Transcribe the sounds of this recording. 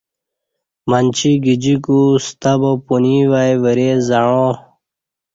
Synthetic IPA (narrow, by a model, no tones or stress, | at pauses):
manʲt͡ɕiɡid͡ʑikust̪abopuniʋajʋəɾezaɻõ